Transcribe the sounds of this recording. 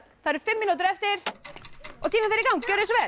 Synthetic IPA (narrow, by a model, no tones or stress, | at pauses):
θaðɾ̥fɪmːinuːt̪ɪɾɛft̪ɪɾ̥ | ɔt̪ʰiːmafɪɾɪɾkawŋcœːɾẽnsɔvɛː